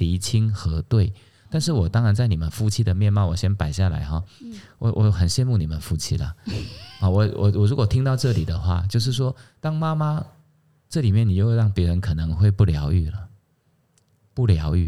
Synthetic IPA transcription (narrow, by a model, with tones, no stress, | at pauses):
li˧˥t͡ɕʰi˥ŋxɤ˧˥t̪we˥˩ɪ | t̪a˥˧nʂ̬ɻ̩˥˩wɔ˨˩t̪ɑ˥ŋɻa˧˦nt͡sa˥˩ɪni˨˩mə˦nfu˥˧t͡ɕʰi˥d̪ə˨mjɛ˥˧nmɑ˥˩ʊwɔ˨˩ɕjɛ˥npa˨˩ɪɕja˥˩la̰˧˥ɪxɔ˨˩wɔ̰˨˦wʔɔ̰˨xə˨˩nɕjɛ˥˧nmu˥˩ni˨˩mə˦nfu˥˩t͡ɕʰḭ˥lə̰˨ɔ˥˩wɔ˨˩wɔ̰˨˩wɔ˨˩ɻu˧˥kwɔ˨˩t̪ʰi˥ŋt̪ɑ˥˧ʊʈ͡ʂɤ˥˩li˨˩d̪ə˦xwa̰˥˩t͡ɕjo˥˧ʊʂ̬ɻ̩˥˩ʂ̬wɔ˥t̪ɑ˥ŋma˥ma˥ | ʈ͡ʂɤ˥˩li˨˩mjɛ˥˩ni˨˩jo˥˧˥ɑ˥˩ŋpjɛ˧˥ɻə˧˦nkʰɤ˨˩nɤ˧˦ŋxwe˥˧ɪpu˥˩ljɑ˧˥ʊy˥˩lə˩ | pu˥˩ljɑ˧˥ʊy̰˥˩